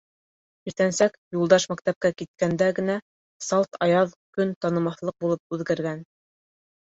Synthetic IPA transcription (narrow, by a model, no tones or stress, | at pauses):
iɾt̪ænsækjulˠd̪ɑʃmækt̪æp̚kækit̪̚kænd̪æɡɘ̆næ | sɑlˠt̪ɑjɑðkɵnt̪ɑnɤ̆mɑθlˠɤq̚bulˠɤp̚ʉðɡæɾɡæn